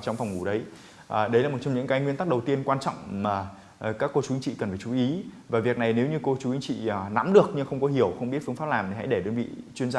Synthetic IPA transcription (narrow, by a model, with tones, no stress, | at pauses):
t͡ɕɔ˧ŋ͡mfwŋ͡mŋu˧˩ɗə˨˦j | ʔɗə˨˦jlaː˨˩mo˨˩t͡ɕɔ˧ŋ͡mɲɨ̰˧˥ŋkaː˨˦jŋwi˧ənt̪a˦˥k̚ɗə˨˩wt̪i˧ənkwaː˧nt͡ɕɔ̰˧˨wŋ͡mmaː˨˩˨ | kaː˦˥kːo˧t͡ɕu˨˦i˧˦ŋt͡ɕḭ˧˨kə˨˩nfaː˧˩jt͡ɕu˨˦ʔi˨˦vaː˨˩vi˨˩ək̚na˨˩jne˨˦wɲɨ˧ko˧t͡ɕu˨˦i˧˦ŋt͡ɕḭ˧˨˩na̰˧˥mɗɨ˨˩ək̚ɲɨ˧ŋxə˧wŋ͡mkɔ˨˦ɦi˧˩əwxə˧wŋ͡mi˦˥t̚fɨ˧ŋfaː˦˥p̚laː˨˩mt̪i˨˩ha̰˧˥jɗe˧˩ɗe˧˩nɓḭ˧˨t͡ɕwi˧ənzaː˧